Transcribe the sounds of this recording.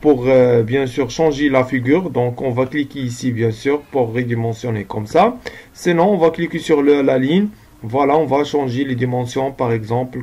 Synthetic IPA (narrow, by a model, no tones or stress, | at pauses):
puʁbjɛ̃syːʁʃɑ̃ʒelafiɡyːʁd̪ɔ̃kɔ̃vaklikeisibjɛ̃syːʁpuʁːed̪imɑ̃sjɔnekɔmsasinɔ̃ɔ̃vaklikesyʁləlalin | vwalaɔ̃vaʃɑ̃ʒeled̪imɑ̃sjɔ̃paʁɛɡzɑ̃pl